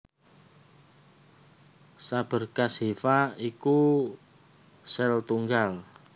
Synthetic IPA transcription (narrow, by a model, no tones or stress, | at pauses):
sab̥ə̤rkasefaiku | sɛlt̪uŋɡal